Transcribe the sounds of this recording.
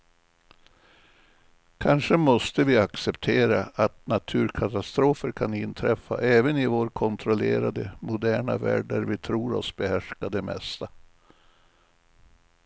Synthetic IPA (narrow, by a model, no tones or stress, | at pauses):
kʰanʂəmɔst̪əvɪaksɛpt̪ʰeːɾaat̪nat̪ʰʉ̟ːɾkʰat̪ast̪ɾoːfəɾkʰanɪnt̪ʰɾɛfːa̰ʔɛːvənɪvoːɾkʰɔnt̪ʰɾɔlḛːɾad̪əmʊd̪æːɳa̰væ̰ːɖæɾvɪt̪ʰɾuːɾɔ̰sbɛhæʂkad̪ɛmɛ̰st̪a